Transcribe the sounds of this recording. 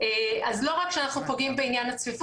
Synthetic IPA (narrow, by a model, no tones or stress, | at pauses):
eazlo̞ʁakʃeanaχnupo̞ɡimbeinjanhat͡svif